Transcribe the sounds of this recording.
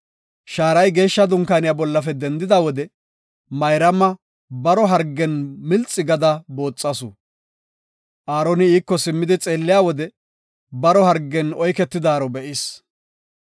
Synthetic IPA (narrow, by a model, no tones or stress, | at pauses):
ʃaːɾɐjɡe̞ːʃːɐd̪ʊŋkaːnɪjaːbɔlːɐfɛd̪ɛnd̪ɪd̪aːwɔd̪ɛ | mɐjɾɐmːɐ | bɐɾɔɦɐɾɡːɛnmɪlt͡sʼːɪɡɐd̪ɐbo̞ːt͡sʼːɐsʊ | ʔaːɾɔnɪiːkːɔsɪmːɪd̪ɪt͡sʼe̞ːlːɪjaːwɔd̪ɛ | bɐɾɔhɐɾɡːɛnɔjkɛt̪ːɪd̪aːɾɔbɛʔɪs